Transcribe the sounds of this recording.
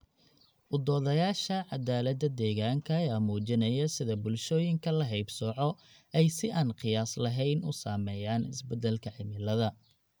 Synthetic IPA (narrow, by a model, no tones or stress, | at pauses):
ʔʊd̪ɔːðɐjaːʃɐʕɑd̪aːlɐd̪ɐd̪ɛːɣaːŋkʰɐːjaːmuːt͡ʃɪnɐjɐsɪðɐbʊlʃɔːjɪŋkʰɐlɐɦɛjbsɔʕɔ | ɛjsɪʔaːnqɪjaːslɐɦɛjnʊ̰saːmɛːjaːnɪsbɛd̪ɛlkʰɐʕɪmɪlɐðɐ